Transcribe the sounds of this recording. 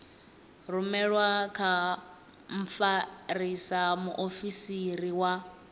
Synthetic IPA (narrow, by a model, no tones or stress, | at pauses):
rumɛɺwakʰa | m̩p̪faɾisamuʔofisiɾiwa